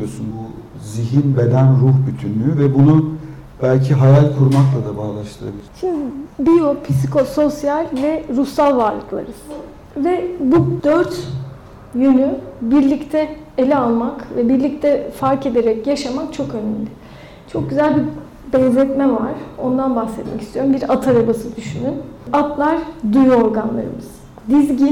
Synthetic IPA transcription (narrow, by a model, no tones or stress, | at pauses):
josunbu | ziɦinbe̞d̪ænɾuhbyt̪ʰynlʲyyvɛbunu | b̥ælʲcʰiɦajalʲkʰuɾmaklˠad̪abaːlˠaʃt̪ʰɯɾa̰bilʲʃimd̪ibijopʰisikʰoso̞sjalʲvɛɾuhsalˠvaɾlˠɯklˠa̰ɾɯz̥ | vɛbud̪øɾt̪ | jynybiɾlʲict̪ʰɛ | elʲɛalˠmakvɛbiɾlʲic̚t̪ʰɛfaɾke̞d̪eɾɛcjaʃamakt͡ʃʰo̞kø̞nɛmlʲɪ | t͡ʃʰo̞k̚ɟyzælʲbi | bɛnzɛt̪mɛva̰ɾ̥o̞nd̪anbaxsɛt̪mɛ̰cist̪ʰijo̞ɾumbiɾat̪ʰaɾabasɯd̪yʃynynat̪lˠaɾd̪ujo̞ɾɡanlˠa̰ɾɯ̰mɯz̥ | d̪izɟi